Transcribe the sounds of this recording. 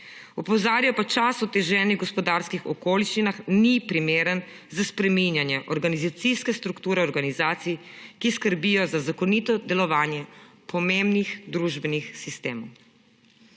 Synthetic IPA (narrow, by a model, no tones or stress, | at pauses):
ɔpɔzaːɾjapat͡ʃasɔt̪ɛʒɛniɡɔspɔd̪aɾskixɔkoːliʃt͡ʃinaxnipɾimeːɾən | zaspɾɛminjanjɛʔɔɾɡanizat̪siskɛst̪ɾukt̪uːɾɛɔɾɡanizaːt̪sij | kiskəɾbijɔzazakɔnit̪ɔd̪ɛlɔʋaːnjɛ | pʰɔmembnixd̪ɾuːʒbɛnixsist̪eːmɔw